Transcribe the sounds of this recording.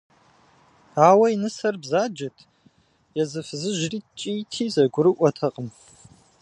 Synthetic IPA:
aːwɐjnɨsɐrbzaːd͡ʒɐtʰ | jɛzɨfɨzɨʒriːt͡ʃʼiːtʰiːzɐɡʷʊɾɨʔʷɔtʰɐqʼəm

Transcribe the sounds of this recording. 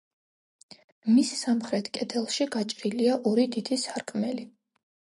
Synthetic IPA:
missamχɾɛt̪ʰkʼɛt̪ʰɛlˠʃiɡat͡ʃʼɾiliaʔɔɾid̪id̪̥isaɾkʼʰmɛli

